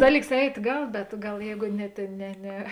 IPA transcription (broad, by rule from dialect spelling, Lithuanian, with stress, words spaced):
ˈdɑːˌlʲiːks ˈɛɪtʲ ˈɡɐlˠ bʲɛt ˈɡɐlˠ ˈjɛɪɡʊ nʲɛ ˈtʲeːn ˈnʲɛ ˈnʲɛ